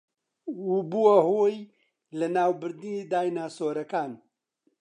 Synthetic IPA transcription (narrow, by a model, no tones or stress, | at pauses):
ubuwɐhoːj | lɐnaːwbɨɾd̪inid̪aːjnaːsoːɾɐkaːn